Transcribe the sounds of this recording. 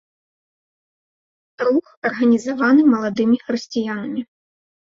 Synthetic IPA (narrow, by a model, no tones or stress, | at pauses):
ɾuxɐrɣɐnʲizavanɨmɐlˠad̪ɨmʲixɾɨsʲt͡sʲijanɐmʲi